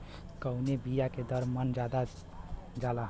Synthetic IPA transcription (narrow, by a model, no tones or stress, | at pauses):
kəunebijaked̪əɾmənd͡ʒad̪a | d͡ʒalaɦ